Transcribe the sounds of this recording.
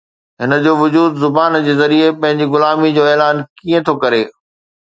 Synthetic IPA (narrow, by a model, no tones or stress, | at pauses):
ɦɪnə̆d͡ʑoːʋʊd͡ʑuːd̪zʊbaːnd͡ʑeːzɐɾiepɐ̃ɦɪ̃ɲd͡ʑiɣʊlaːmid͡ʑoːɛːlaːnkiːẽt̪ʰokɐɾeː